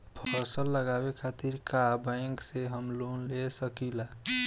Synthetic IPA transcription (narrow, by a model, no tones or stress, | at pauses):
pʰəɾsəlːəɡabekʰat̪iɾkabə̃ɪŋkseɦəmlonlesəkila